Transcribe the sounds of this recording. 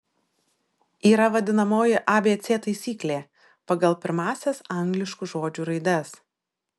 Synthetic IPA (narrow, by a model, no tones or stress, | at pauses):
iːɾɐʋɐd̪ʲɪnɐmoːjɪʔɐːbʲeːt̪sʲeːt̪ɐɪsʲiːklʲeː | pɐɡɐlˠpʲɪɾmɑːsʲɛsɐˑŋɡlʲɪʃkuʒoːd͡ʒʲuːɾɐɪd̪ɐs